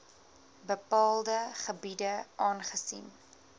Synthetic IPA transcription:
bəpɑːlˠdəχəbidəʔɑːnχəsḭn

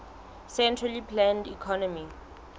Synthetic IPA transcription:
sɛ̃ntʰralipʰlãndḭkʰɔnɔmi

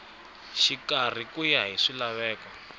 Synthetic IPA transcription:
ʃikar̤ikujaɦiʂilaβɛːkwɔ

